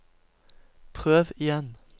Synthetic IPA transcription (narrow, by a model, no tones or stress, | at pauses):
pʰʁøːʋɪjɛn